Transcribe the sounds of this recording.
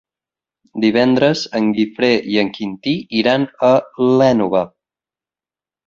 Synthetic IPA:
d̪iβ̞ɛnd̪ɾəzəŋɡifɾeʔiəŋkint̪iiɾanəlɛnuβə

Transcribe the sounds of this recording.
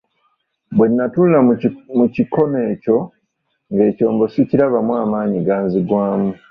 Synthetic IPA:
bwe̞nːatuːlilamuciko̞ne̞ːco̞ | ŋɡe̞ːco̞ːmbo̞siciɾaβamwaːmaːɲiɡaːnziɡwaːmu

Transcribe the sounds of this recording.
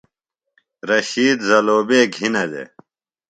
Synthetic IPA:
ɾɐɕiːd̪zɐloːbeːɡʱinɐd̪ḛ

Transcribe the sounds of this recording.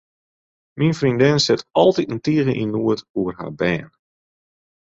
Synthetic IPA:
minfrindɪnsɪtɔlˠtitəntiəɣəʔinuətuərɦa̰ːbɛːn

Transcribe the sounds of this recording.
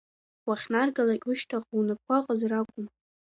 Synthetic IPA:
waχʲnarɡalakʲʼʊʃtʰaqʼunɨkʷʰaqʼəzrakʷʼʊm

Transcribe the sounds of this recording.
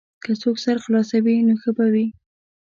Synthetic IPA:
kəsoksaɾxlɑsawinoxəbawi

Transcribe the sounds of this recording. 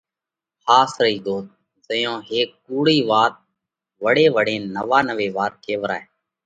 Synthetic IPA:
xaːsɾəiːd̪oːt̪̚ | zəjõːɦeːkːuːɽiːʋaːt̪̚ | ʋəɽeːʋəɽẽːnəʋaːnəʋeːʋaːɾkeːʋəɾa̰ːeː

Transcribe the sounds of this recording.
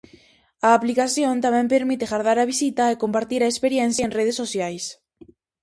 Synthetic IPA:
aːplikaθjont̪amɛ̃mpeɾmit̪eɣaɾð̞aɾaβ̞isit̪aekompaɾt̪iɾaespeɾjɛnθjaenreð̞esːosjajs

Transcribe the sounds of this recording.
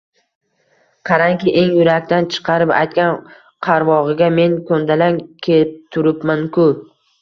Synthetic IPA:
qʰɑɾaŋkʲɪʔe̞ŋjʊɾakʲt̪ant͡ʃʰɨ̥qʰɑɾɪpa̰jt̪̚kʲan | qʰɑɾvɒʁɨɡʲame̞ŋkʰond̪alankʲʰet̪ʰːʊɾɪpmankʰʊ

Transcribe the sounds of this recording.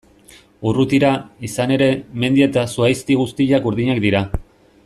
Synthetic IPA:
urut̪iɾaisane̞ɾe̞me̞nd̪ie̞t̪asuajst̪iɣust̪iʎakuɾðiɲakd̪iɾa

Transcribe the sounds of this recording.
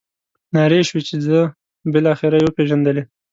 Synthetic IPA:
nɑɾeʃwit͡ʃezə | bɪlɑxɪɾajewəpeʒand̪əle

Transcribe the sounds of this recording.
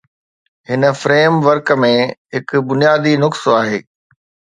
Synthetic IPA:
hɪnə̆fɾeːmʋəɾkəmẽɦɪkʊbʊnijaːd̪inʊksoaːɦeː

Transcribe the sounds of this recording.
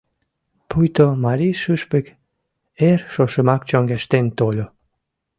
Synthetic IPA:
pʰujt̪omaɾiʃyʃpek | eɾʃoʃɨmakt͡ʃɔŋɡeʃt̪ent̪olʲo

